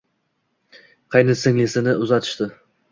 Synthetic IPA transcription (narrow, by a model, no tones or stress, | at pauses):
qʰɑjnɪsɪŋlɪsɪnɪʔʊzat̪ʰɪ̥ʃt̪ɪ